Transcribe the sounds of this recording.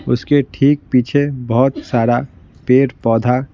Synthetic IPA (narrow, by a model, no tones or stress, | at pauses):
ʊskeʈʰiːk̚piːt͡ʃʰebɔɦt̪saːɾa | peːɾpɔːd̪ʱa